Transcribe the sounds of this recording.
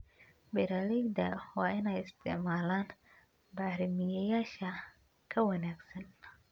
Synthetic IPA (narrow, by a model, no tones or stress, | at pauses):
bɪɾalɪɡd̪ɐwɑːɪnɛjɪst̪ʰɪ̰ʕmaːlaːn | bɑːɾɪmɪjɐjaːʃɐ | kʰɐwɐnaːɡsɐn